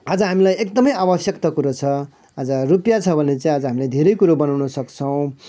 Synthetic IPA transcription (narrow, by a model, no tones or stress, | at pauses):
ad͡zʌɦamilajekd̪ʌmʌjabʌsjʌkt̪ʌkuɾat͡sʰʌ | ad͡zʌrupjat͡sʰʌbʱʌnet͡saĩad͡zʌɦamilajd̪ʱeɾʌjkuɾobʌnawnʌsʌkt͡sʰʌw̃